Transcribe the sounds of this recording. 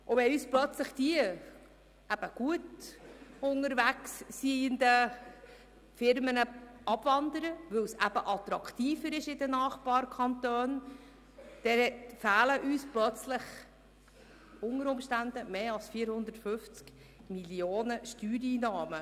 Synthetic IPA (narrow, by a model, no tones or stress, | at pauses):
ʔʊvɛyːsplœt͡sləχd̥iə | ʔæb̥əɡ̥uət | ʊŋəɾvæksːiənd̪ə | fɪɾmənəɑb̥vɑnd̪əɾəʋɵwsæb̥əʔɑt̪ɾɑkʰt̪iːfəɾɪʃɪdənɑːχbɑːɾkʰɑnt̪øːn | d̥ɛɛtfæːləʔyːsplœt͡slɪχ | ʊŋəɾʊmʃtænd̪əmeːɑlsfiːɾhʊnd̪ətfʏft͡sk | miljoːnəʃtyːɾiːnɑːmə